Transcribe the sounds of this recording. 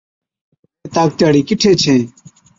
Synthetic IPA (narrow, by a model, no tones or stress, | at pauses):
eːt̪aːk̚t̪jaːɽiːkɪʈʰeːt͡ʃʰẽː